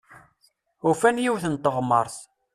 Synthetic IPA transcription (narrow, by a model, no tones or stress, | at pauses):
ʊfænjiwθənt̪ːəʁməɾˤθ